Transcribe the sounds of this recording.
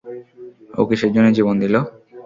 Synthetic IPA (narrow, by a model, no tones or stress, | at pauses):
o̰kiʃed͡ʑonːed͡ʑibond̪ilo